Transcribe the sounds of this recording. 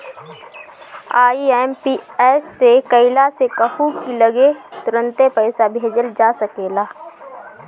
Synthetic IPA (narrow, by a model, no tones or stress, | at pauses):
aːiɛːmpiɛːsːekəɪlasekəhukiləɡet̪ʊɾə̃nt̪epəɪsabʱeːd͡ʒəld͡ʒaːsəkeːlaː